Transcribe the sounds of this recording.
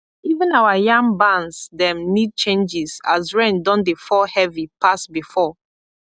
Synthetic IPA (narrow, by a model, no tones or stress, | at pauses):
ivə̃nawajãŋbãnsdɛ̃mnid̚t͡ʃẽnd͡ʒizazɹẽndɔ̃ndefɔhɛvipasbifɔ